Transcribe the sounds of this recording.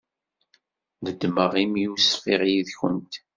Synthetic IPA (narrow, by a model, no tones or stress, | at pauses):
ðəd̪məʁimjusfiʁjiðçənt̪